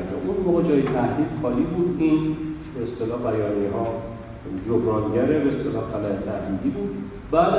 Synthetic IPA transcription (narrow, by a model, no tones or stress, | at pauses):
d͡ʒɒ̰mʔunmoːɣed͡ʒɒːjet̪ʰæhd̪iːd̪̥xɒːliːbuːd̪in | beːst̪elɒːhbæjɒːniɦɒː | d͡ʒobɾɒːnɟæɾebeːst̪elɒːxælæet̪ʰæhd̪iːd̪iːbuːd̪ | bæːd̪